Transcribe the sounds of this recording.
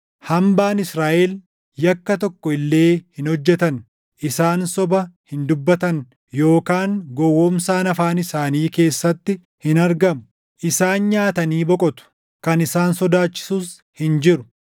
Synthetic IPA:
hɐmbaːnɪsɾaːʔɛl | jɐkːɐt̪ɔkːɔɪlːe̞ːhɪnhɔd͡ʒːɛt̪ɐn | ʔɪsaːnsɔbɐhɪnd̪ʊbːɐt̪ɐn | jo̞ːkaːŋɡɔwːɔːmsaːnɐfaːnɪsaːniːke̞ːsːɐt̪ːɪ | hɪnɐɾɡɐmʊ̥ | ʔɪsaːnɲaːt̪ɐniːbɔkʼɔt̪ʊ̥ | kɐnɪsaːnsɔd̪aːt͡ʃːɪ̥suːs | hɪnd͡ʒɪɾʊ

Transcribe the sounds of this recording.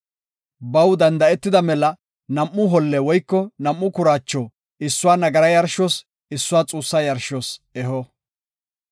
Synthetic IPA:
bɐwd̪ɐnd̪ɐɛt̪ːɪd̪ɐmɛlɐ | nɐmːʊɦɔlːɛwɔjkːɔnɐmːʊkʊɾaːt͡ʃːɔː | ɪsːʊwaːnɐɡɐɾɐjɐɾʃɔːs | ɪsːʊwaːt͡sʼuːsːajɐɾʃosɛɦɔ

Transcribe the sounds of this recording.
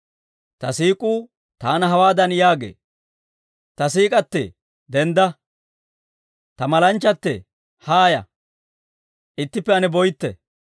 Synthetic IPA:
t̪ɐsiːkʼuː | t̪aːnɐɦɐwaːd̪ɐnjaːɡḛː | t̪ɐsiːkʼɐt̪ːɛ̰ | d̪ɛnd̪ɐ | t̪ɐmɐlɐnt͡ʃːɐt̪ːɛ̰ | haːjɐ̰ | ʔɪt̪ːɪpːɛɐnɛbɔjt̪ːɛ̰

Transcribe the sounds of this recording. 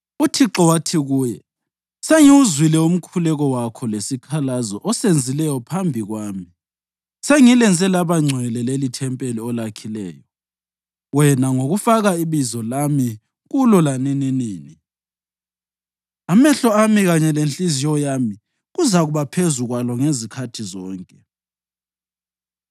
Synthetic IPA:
utʰiǁɔwatʰiɣuːjɛ | seŋiwuzwilɛum̩kʰulɛɣɔwakʰɔlesikʰalazɔʔɔsend͡zʱilɛjɔpʰambʱiɣwaːmi | seŋilɛnt͡sʼɛlaβaŋ͡ǀʱwɛlɛlelitʰɛmpʼeliɔlakʰilɛ̰ːjɔ | wɛnaŋoɣufaɣaiβizɔlami | ɣulɔlanɛniniːni | amɛɬɔamiɣaɲɛlent͡ɬʼizijɔjami | ɣuzaɣuβapʰezuɣwalɔŋezikʰatʰizɔːŋkʼɛ

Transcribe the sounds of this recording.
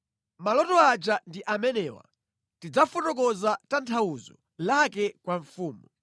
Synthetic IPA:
malɔtɔad͡ʒandiʔamɛnɛwa̰ | tid͡zafɔtɔkɔzatantʰawuzɔ̰ | lakɛkwaɱfuːmɔ

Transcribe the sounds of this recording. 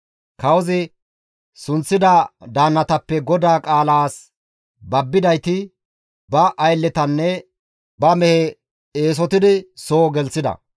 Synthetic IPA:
kɐwɔzɪ | sʊnt͡sːɪd̪ɐd̪aːnːɐt̪ɐpːɛɡɔd̪aːkʼaːlaːs | bɐbːɪd̪ɐjt̪ɪ | bɐʔɐjlːɛt̪ɐnːɛ | bɐmɛhɛ | eːs̬ɔt̪ɪd̪ɪsoːɡɛlt͡sːɪd̪ɐ̰

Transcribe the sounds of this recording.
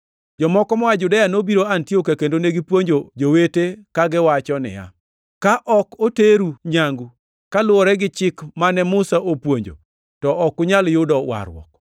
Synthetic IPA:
d͡ʒɔmɔkɔmɔad͡ʒʊdajanobiɾoantiokakendoneɡipwoɲd͡ʒod͡ʒowetekaɡɪwat͡ʃɔnɪ̰ja̰ | kaʔɔkoteɾuɲaŋɡu | kalʊɔɾɛɡɪt͡ʃɪkmanɛmʊsaʔopwoɲd͡ʒo̰ | tɔʔɔkːʊɲaljʊdɔwa̰ɾwɔ̰k̚

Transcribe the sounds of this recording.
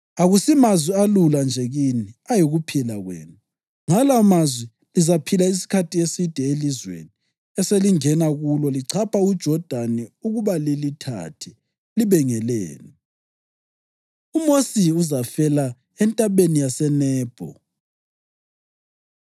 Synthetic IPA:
aɣusimazwialuland͡ʒʱɛɣiniajiɣupʰilaɣwḛːnu | ŋalamazwi | lizapʰilais̬i̥kʰatʰʼiesid̥ʱɛelizwḛni | ɛseliŋɛnaɣulɔliǀʰapʰaud̥ʒ̥ʱɔd̥ʱanɛuɣuβalilitʰa̰tʰi | liβɛŋɛlɛ̰ːnɛ | umosiuzafɛla | ɛntʼaβenijasɛnɛːb̥ʱɔ̰

